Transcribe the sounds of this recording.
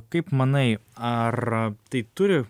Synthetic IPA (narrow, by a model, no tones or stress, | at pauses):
kɐɪpmɐnɐɪɐrt̪ɐɪt̪ʊɾʲɪ